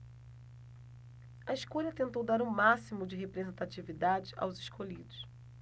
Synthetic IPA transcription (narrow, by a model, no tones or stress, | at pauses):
ɐiʃkoʎɐt̪ẽnt̪owd̪aɾũmasimʊd͡ʒɪɦepɾezẽnt̪at͡ʃivid̪ad͡ʒɪa̰wzɪʃkoʎid̪ʊs